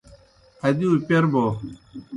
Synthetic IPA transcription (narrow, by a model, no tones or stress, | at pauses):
adiupʲɛɾbɔ